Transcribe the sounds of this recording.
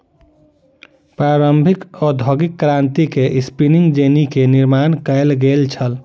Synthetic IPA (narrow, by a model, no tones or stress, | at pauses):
pɾaɾəmbʱikɔd̪ʱoɡikːɾant̪ikeʔispiniŋɡd͡ʒenikeniɾmankəɪlɡelt͡ʃʰəl